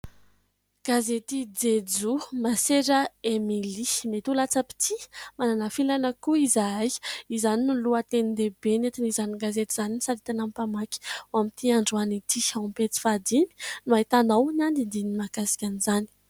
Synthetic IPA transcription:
ɡ̥azet̪id͡zed͡zumaseɾəemilimet̪ulat͡səpi̥t̪ʰimananafilanəkuizajizaninuluat̪enid̪ebenet̪inizaniɡazet̪iz̥aninisaɾit̪anampamaki̥wamit̪iaɳɖ͡ʐanit̪ʰiawmpet͡si̥fad̪imi̥nuaɦit̪anawnand̪ind̪iniimakasi̥kʲanizani̥

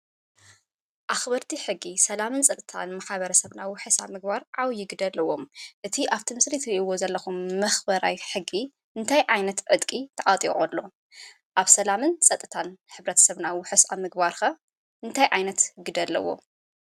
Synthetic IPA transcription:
ʔaxbɐɾt̪ʰiħɨɡːisɐlamɨnsʼɐt̪ʼɨt̪ʰa̰nmaħaβɐɾɐsɐβnawʊħɨsa̰mɨɡbaɾʕawjɪɡɨd̪ɐlːɐwo̞mʔɨt̪ʰiʔaβt̪ʰimɨslit̪ʰɨɾiʔiwo̞zɐlːɐxumːɐxbɐɾa̰jħɨɡːi | ʔɨnt̪ʰajʔajnɐt̪ʕɨt̪kʼit̪ʰɐʔʼat̪ʼḭʕolːo̞ | ʔaβsɐlamɨnt͡sʼɐt̪ʼɨt̪ʰanħɨβɾɐt̪ʰɐ̥sɐβnawʊħɨsamɨɡbaɾxɐ | ʔɨnt̪ʰajʕajnɐt̪ɡɨd̪ɐlːɐ̰wo̞̰

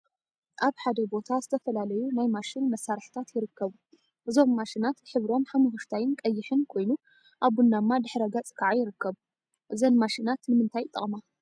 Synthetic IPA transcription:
ʔaβħad̪ɐbo̞t̪ʰazɨt̪ʰɐfɐlalɐjunajmaʃɪnmɐsːaɾħt̪ʰat̪jɪɾɨkːɐβu | ʔɨzo̞mːaʃinat̪ħɨβɾo̞mħamuɦɨʃt̪ʰajɪnkʼɐjːɪħɨnkʰo̞jnu | ʔaβːunːamːad̪ɨħɾɐɡat͡sʼɨ̥kʰaʕajɪɾɨkːɐβu | ʔɨzɐnmaʃɪnat̪nɨmɨnt̪ʰajt̪ʼːɨ̰χʼma

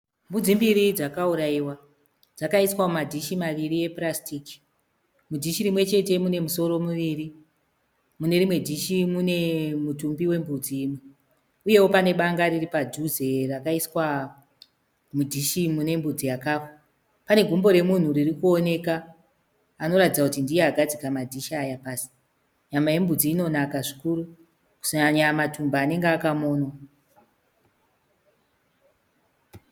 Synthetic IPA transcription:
mbud͡zimbiɾid͡zakauɾaiwa | d͡zakaiswamumadʱiʃimaʋiɾie̞prastiki̥ | mudʱiʃiɾimwe̞t͡ʃe̞te̞mune̞muso̞ɾo̞muʋiɾi | mune̞ɾimwe̞dʱiʃimune̞mutumbiwe̞mbud͡ziːmwe | uje̞wo̞pane̞ɓaŋɡariripad͡ʒuzerakaiswa | mudʱiʃimune̞mbud͡zijakaːfḁ | pane̞ɡʱumbo̞ɾe̞mun̤uririkuo̞ne̞kaː | no̞ɾatid͡zakutindijeaɡʱad͡zikamadʱiʃaːjapaːsi̥ | ɲamaje̞mbud͡ziːno̞nakaʐikuɾu | ku̥saɲamatumbaːne̞ŋɡeakamoːnwa

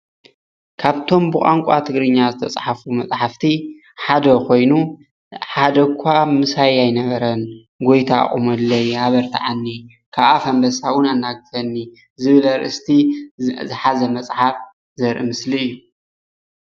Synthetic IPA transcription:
kʰaβt̪ʰo̞mbɨχʼaŋkʷʼa̰t̪ʰɨɡɾɨɲːazɨt̪ʰɐt͡sʼħafumɐt͡sʼħaft̪ʰi | ħad̪ɐkʰo̞jnu | ħad̪ɐkʷʰːamɨsajajnɐβɐɾɐn | ɡo̞jt̪ʰa̰χʼɨ̰mɐlːɐjhaβɐɾt̪ʰḭʕanːi | kʰaβʔafɐmbɐsawʊnanːaɡɨfɐnːi | zɨβɨlɐɾʔɨ̰st̪ʰizɨħazɐmɐt͡sʼħaf | zɐɾʔɨmɨsliɨjːu

